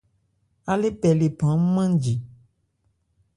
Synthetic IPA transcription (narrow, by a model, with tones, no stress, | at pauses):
a˦le˦pɛ˨le˨pã˨˦m̩˦mã˦nd͡ʒi˨